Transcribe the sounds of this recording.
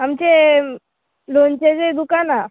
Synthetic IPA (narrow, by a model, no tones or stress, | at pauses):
amt͡ɕe | lont͡ɕed͡zed̪ukana